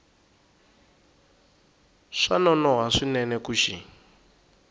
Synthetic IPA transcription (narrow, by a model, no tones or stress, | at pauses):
ʂanɔnɔɦaʂinɛnɛkuʃi